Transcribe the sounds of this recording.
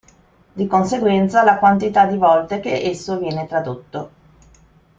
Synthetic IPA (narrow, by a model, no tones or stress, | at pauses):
d̪ikonseɡwɛnt̪salakwant̪it̪ad̪ivɔlt̪ekeʔesːovjɛːnet̪ɾad̪ot̪ːo